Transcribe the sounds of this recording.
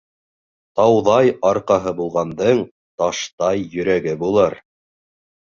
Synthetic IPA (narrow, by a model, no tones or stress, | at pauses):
t̪ɑwðɑjɑɾqɑɦɤbulˠʁɑnd̪ɤɴ | t̪ɑʃt̪ɑjːɵ̆ɾæɡɘbulˠɤɾ